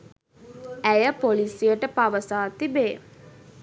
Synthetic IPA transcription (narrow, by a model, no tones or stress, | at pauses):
æjəpolisijəʈəpaʋəsaːt̪ibeː